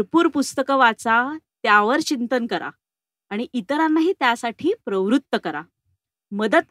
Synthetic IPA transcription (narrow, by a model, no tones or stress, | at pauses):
ɾpuːɾpust̪əkəʋat͡sat̪jaʋəɾt͡ɕint̪ənkəɾʔa̰ː | ɽ̃iʔit̪əɾanːaɦiːt̪jasaʈʰiːpɾəʋɾut̪ːəkəɾa̰ | məd̪ət̪